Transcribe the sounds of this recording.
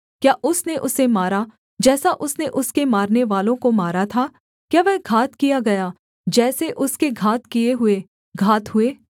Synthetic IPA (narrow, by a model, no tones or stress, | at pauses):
kjaːʔʊsneʔʊsːemaːɾa | d͡ʒɛːsaʔʊsneʔʊskemaːɾneʋaːlõkomaːɾat̪ʰaː | kjaːʋɛɦɡʱaːt̪kijaɡɐjaː | d͡ʒɛːseʔʊskeɡʱaːt̪kijeɦʊe | ɡʱaːt̪ɦʊeː